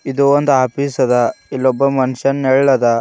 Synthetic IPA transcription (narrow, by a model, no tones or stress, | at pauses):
id̪uond̪uaːpiːsɐd̪ɐilːobːɐmɐnuʃɐnːɛɭːɐd̪ɐ